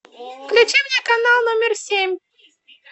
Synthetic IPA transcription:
klʲʊt͡ɕimʲnʲekɐnalˠnomʲɪrsʲemʲ

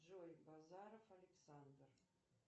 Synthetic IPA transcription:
ʒojbazaɾofalʲeksand̪r

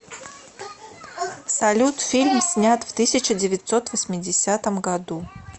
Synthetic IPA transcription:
sɐlʲut̪fʲilʲmsʲnʲat̪ft̪ɨsʲɪt͡ɕədʲɪvʲɪt̪sot̪vəsʲmʲɪdʲɪsʲat̪əmɡɐd̪u

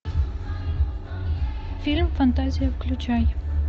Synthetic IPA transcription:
filmfɐnt̪azʲijəʋəklʲut͡ʃaj

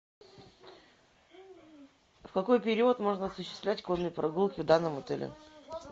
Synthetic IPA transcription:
fkɐko̞jpʲɪɾʲiət̪mo̞ʐnəɐsʊɕːɪ̥st̪vlʲætʲkonːɨjəpɾʔɐɡulˠkʲɪvd̪anːəmʊt̪ɛlʲɪ̰

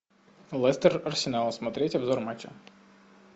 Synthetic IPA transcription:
lˠɛst̪erɐrsʲɪnɑlˠɐsmɐt̪ɾʲɛtʲɐbzɔɾmat͡ʃʲɐ̰

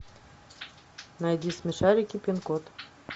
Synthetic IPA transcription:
najd̪ʲismʲɘʃaɾʲikʲipʲinkot̪

